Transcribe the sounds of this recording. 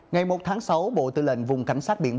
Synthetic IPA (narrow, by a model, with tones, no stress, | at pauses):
ŋa˨˩jmo˨˩t̚t̪ʰaː˨˦ŋsa˨˦wɓo̰˧˨t̪ɨ̰˧˨lï˧˨ŋ̟vʊ˨˩ŋ͡mka˧˩jŋ̟saː˦˥t̚ɓḭ˧˨ə